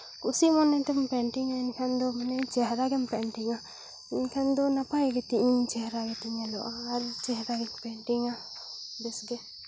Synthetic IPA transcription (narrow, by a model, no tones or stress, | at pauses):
kusimɔnːɛt̪ɛmpɛɳʈiŋainkʰand̪ɔmanɛt͡ʃɛɦɾaɡɛmpɛɳʈiŋa | inkʰand̪ɔnapajɡɛt̪iʔĩt͡ʃɛɦɾaɡɛt̪iɲɛlɔʔaːɾt͡ʃɛɦɾaɡɛɲpɛɳʈiŋa | bɛsɡɛ